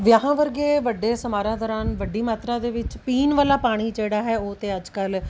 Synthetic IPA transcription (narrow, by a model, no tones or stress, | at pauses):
ʋjaːɦãːʋəɾɡeːʋəɖeːsəmaːɾãːd̪ɔːɾaːnʋəɖiːmaːt̪ɾãːd̪eːʋɪt͡ʃpiːnʋaːlaːpaːɽ̃iːd͡ʒeːɽaːɦɛːoːt̪eːəd͡ʒkəl